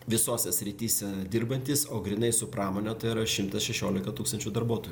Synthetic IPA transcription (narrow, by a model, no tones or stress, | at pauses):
ʋʲɪsoːsʲɛsʲɾʲɪt̪ʲiːsʲɛd̪ʲɪrbɐnʲt̪ʲiːsoːɡɾʲɪnɐɪsʊpɾɑːmoːnʲɛt̪ɐɪiɾɐʃʲɪmt̪ɐsʃʲɛʃʲoːlʲɪkɐt̪uːkst̪ɐnʲt͡ʃʲuːd̪ɐɾbuɔt̪oːju